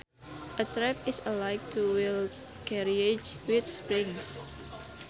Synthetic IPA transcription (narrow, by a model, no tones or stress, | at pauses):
ʔətɹɛpɪsəlajk̚tʰuwil | kɛɹiet͡ʃwit̪spɹĩŋs